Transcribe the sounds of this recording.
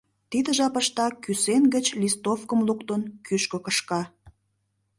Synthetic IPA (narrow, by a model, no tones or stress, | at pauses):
t̪id̪əʒɑpəʃt̪ɑkysenɡət͡ɕlist̪ofkəmlukt̪ənkyʃkə̆kəʃkɑ